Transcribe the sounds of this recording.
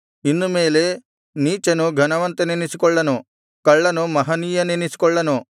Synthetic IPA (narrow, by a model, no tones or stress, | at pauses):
inːumeːle | niːt͡ʃɐnuɡʱɐnɐʋɐnt̪enenisikɔɭːɐnu | kɐɭːɐnumɐɦɐniːjɐnenisi̥kɔɭːɐnu